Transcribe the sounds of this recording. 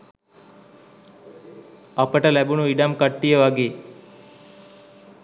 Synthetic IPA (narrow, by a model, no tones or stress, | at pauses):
ɐpəʈəlæbunuiɖamkəʈːijəʋaɡeː